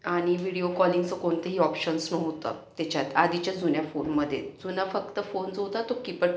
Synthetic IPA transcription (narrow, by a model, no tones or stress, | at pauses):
aɽ̃iʋiɽiokɔliŋɡt͡səkoɳt̪əɦiːɔpɕənsnowt̪ə̰t̪at͡ɕjat̪ad̪it͡ɕjad͡zunjafonməd̪ʱːjḛd͡zunafək̚t̪əfond͡zot̪at̪okipəɽ